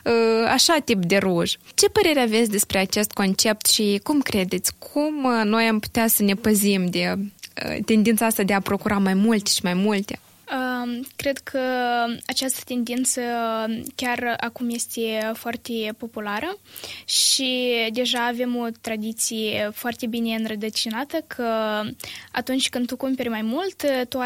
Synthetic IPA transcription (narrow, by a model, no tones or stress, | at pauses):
əaʃat̪ipd̪e̞ɾuʒt͡ʃe̞pəɾe̞ɾeave̞t̪sʲd̪e̞spɾeat͡ʃe̞st̪̚ko̞nt͡ʃe̞p̚t̪ʃikumkɾe̞d̪e̞t̪sʲkʰumno̞jampu̥t̪easəne̞pəzimd̪e̞ə̰t̪e̞nd̪int̪saast̪ad̪eapɾo̞kuɾamajmult̪e̥ʃimajmult̪e̞ | əkɾe̞d̪kʰəat͡ʃast̪ə̥t̪e̞nd̪int̪səkʲarakumje̞st̪e̞foart̪e̞po̞pulaɾəʃid̪e̞ʒaːve̞mo̞t̪ɾad̪it̪sijefoart̪e̞bine̞ɨnrəd̪ət͡ʃinat̪əkʰə | at̪unt͡ʃʲkɨnd̪t̪ukumpe̞ɾʲmajmult̪t̪u